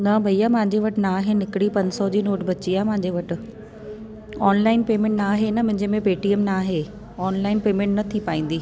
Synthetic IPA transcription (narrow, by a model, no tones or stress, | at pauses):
nabʱɐiamɐ̃ɦɪ̃ɲd͡ʑeʋɐʈɪnaːɦenɪkɽipɐ̃ɲsɔd͡ʑiːnoːʈbʱɐt͡ɕiaːɦemɐ̃ɦɪ̃ɲd͡ʑeʋɐʈɪ̆ | ɔːnlaːɪnpeːmẽːɳʈnaːɦenɐmʊ̃ɦɪ̃ɲd͡ʑemẽpeːʈiəmnaːɦe | ɔːnlaːɪnpeːmẽɳʈnɐt̪ʰipaːĩːn̆d̪iː